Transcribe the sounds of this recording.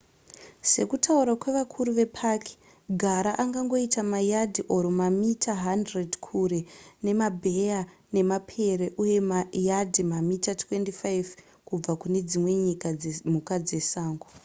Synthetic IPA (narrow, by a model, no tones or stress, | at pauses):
se̞kutʰauɾwakwe̞ʋakʰuɾuʋe̞pʰakʰi̥ | ɡʱaɾaʔaŋɡaŋɡo̞itamajadʱiʔo̞ɾomamitʰaɦandredkʰure̞ne̞mabʱe̞ane̞mapʰe̞reʔuje̞majadʱimamitatʰwe̞ndifajv | kub͡vakune̞d͡zimwe̞ɲikamukad͡ze̞saːŋɡu